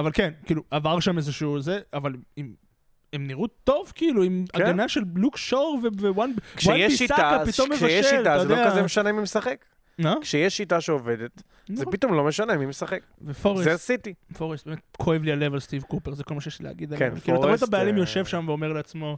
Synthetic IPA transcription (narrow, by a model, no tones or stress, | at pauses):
avalkenkiːluʔavaʁʃamezeʃuːzeavalim | emniʁut̪o̞vkiiluimaɡanaʃellukʃoʁvevewankʃwaejɛʃiisaakapit̪omːeʃajʃʃeilajod̪oeaazemeʃanemimesaχek | makʃejeʃːitaʃeoved̪et̪ | nzepit̪omlomeʃanemimesaχekvefoʁezesasit̪ifoʁest̚bemet̪̚kʰoevliale̞valst̪ivkupeʁzeko̞lmaʃejeʃlilḛaɡid̪alekiːuat̪abajalimjo̞ʃe̞vʃamveo̞me̞ʁleat͡smo̞